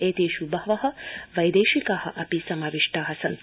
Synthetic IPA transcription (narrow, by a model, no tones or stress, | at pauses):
eːt̪eːʃubɐʋɐɦɐ̆ʋɐjd̪eːʃikaːhɐ̆ʔɐpisɐmaːʋiʂʈaːɦɐsɐn